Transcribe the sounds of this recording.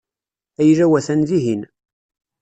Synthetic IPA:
æjɾæwæθænziɦin

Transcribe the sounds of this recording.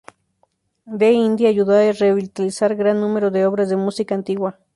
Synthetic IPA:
d̪eind̪jaːjuðaereβilt̪alisaɾɡɾanːumeɾoðeoβɾazðemusikaːnt̪iɣwa

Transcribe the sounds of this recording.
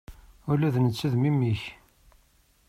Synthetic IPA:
ʊlæðnət͡sːəðmimːiç

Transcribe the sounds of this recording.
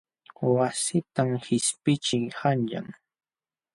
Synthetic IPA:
wasɪt̪amhɪspɪt͡ʃɪjhanʎa̰ŋ

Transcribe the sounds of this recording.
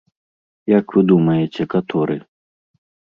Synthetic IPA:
jakvɨd̪umɐjɛt͡sʲɛkɐt̪ʰɔɾɨ̰

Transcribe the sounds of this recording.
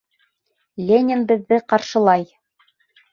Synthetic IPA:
lʲenʲɪnbɘ̆ðːɘqɑɾʃɤ̆lˠɑj

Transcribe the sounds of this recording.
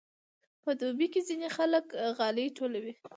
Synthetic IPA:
pəd̪obikezinexaləkɣɑleʈolawi

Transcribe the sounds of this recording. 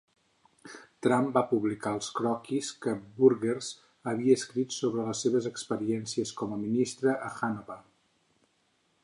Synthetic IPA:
t̪ɾambapuβlikaəlˠskɾɔkiskəbuɾɣerz | əβiəːskɾit̪soβɾələsːeβəzəkspəɾiɛnsiəskɔməminist̪ɾəʔəxanoβə

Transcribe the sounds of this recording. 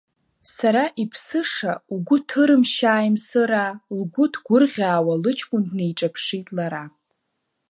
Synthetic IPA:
saɾaʔipʰsɨʂauɡʷʊtʰɨɾɨmʃaːjmsɨɾalɡʷʊtʰɡʷʊrʁʲaːwalɨt͡ʃʰkʷʼʊndnejʈ͡ʂʼapʰʂitʼlaɾa

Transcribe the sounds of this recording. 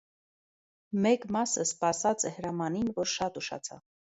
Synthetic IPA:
mɛkmɑsəspɑsɑt͡sɛhəɾɑmɑninvɔɾʃɑt̪uʃɑ̰t͡sʰɑ̰v

